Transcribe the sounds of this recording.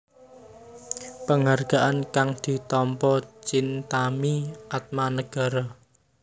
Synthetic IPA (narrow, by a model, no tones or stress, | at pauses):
pəŋarɡ̥a̤ʔankaŋd̪̥i̤t̪ɔmpɔt͡ʃint̪amiʔat̪̚manəɡ̥a̤ɾɔ